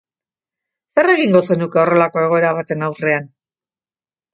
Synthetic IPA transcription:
se̞re̞ɣiŋɡo̞se̞nuke̞o̞re̞lako̞e̞ɣ̞o̞e̞ɾaβ̞at̪e̞nawre̞an

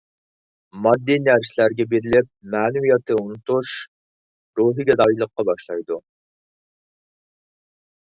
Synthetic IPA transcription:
mɑd̪ːinæɾsɪlæɾɡʲɛbeɾɪlɪp̚mæːnuijɛt̪ʰɨunut̪uʃ | ɾuɦɨɡʲɛd̪ɑjilˠəqːɑbɑʃlˠɑjd̪u

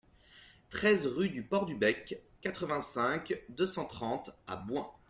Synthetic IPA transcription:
t̪χɛzʁyd̪ypɔʁd̪ybɛkː | at̪χəvɛ̃sɛ̃kd̪øsɑ̃t̪χɑ̃t̪a̰bwɛ̃

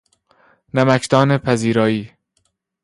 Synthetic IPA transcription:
næmækʰd̪ɒːnepʰæziːɾɒːiː

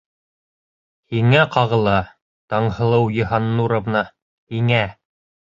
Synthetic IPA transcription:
hiŋæqɑʁɤ̆lˠɑ | t̪ɑɴhɤ̆lˠɤwjɤ̆ɦɑnːuɾŏvnɑ | hiŋæ

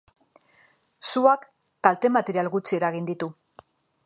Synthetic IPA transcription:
suakː | alt̪e̞mat̪eɾialɣut͡sie̞ɾaɣind̪it̪u

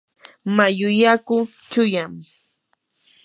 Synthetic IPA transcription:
majʊjakʊ | t͡ʃʊjam

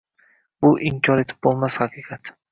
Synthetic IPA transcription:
bʊʔɪmkʲʰɒɾe̞t̪ʰɪ̥p̚bolˠmashaqʰɨqʰɑt̪

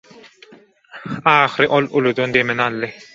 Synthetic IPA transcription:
ɑːχɾɯʔolulˠud̪und̪emenɑlˠːɯ

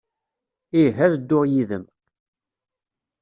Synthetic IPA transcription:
iɦæðəd̪ːʊʁjiðəm

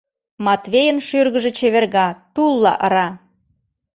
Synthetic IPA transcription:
mɑt̪βejənʃyrɣəʒĕt͡ɕeβerɣɑt̪ulˠːɑ̰ʔəɾɑ

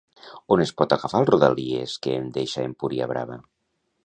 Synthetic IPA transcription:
onespɔt̪aɣafalˠruða̰liḛskeːnd̪eʃaempuɾia̰βɾa̰βa

